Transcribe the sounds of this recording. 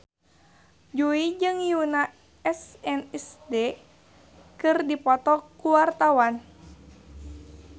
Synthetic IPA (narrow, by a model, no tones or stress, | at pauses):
d͡ʒuid͡ʒɨŋjuna | ɛsɛnɛsdɛ | kɨrdipɔt̪ɔkuwart̪awan